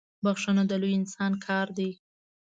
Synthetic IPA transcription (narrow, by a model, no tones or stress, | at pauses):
baxʃunod̪əlujɪnsɑnkʰɑɾd̪i